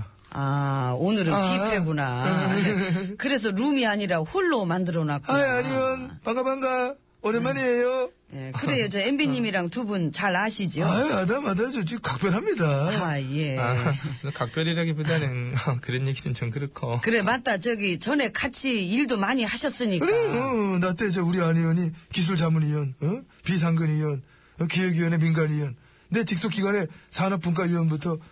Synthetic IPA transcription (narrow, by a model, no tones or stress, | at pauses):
aonɯɾɯpieɡona | kɯɾe̞s̬ʰʌɾumiaɲiɾaɸuɭːomandɯɾʌnaɡaɲimjʌnpaŋɡabaŋɡa | ʌɾemaɲiejo | je̞kɯɾejot͡ɕʌembiɲimiɾaŋtubunt͡ɕaɾaɕʰid͡ʑioaadamadad͡ʑod͡ʑikak̚p͈jʌɾɦamɲidaaje̞aʌkak̚p͈jʌɾiɾaɡipodanɯnkɯɾeniɡit͡ɕɯmt͡ɕʰʌnkɯɾɯkʰokɯɾe̞mat̚t͈at͡ɕʌɡit͡ɕʌne̞kat͡ɕʰiiɭdomaɲiɦaɕʰʌs͈ɯɲikɯɾeʌnat͈e̞d͡ʑeuɾiaɲiʌɲikis̬ʰuɭt͡ɕamunijʌnʌpis̬ʰaŋɡɯnijʌn | ʌkijʌɡijʌne̞minɡanijʌn | ne̞t͡ɕik̚s͈ok͈iɡwane̞sʰanʌp͈unk̬͈aiwʌnbutʰʌ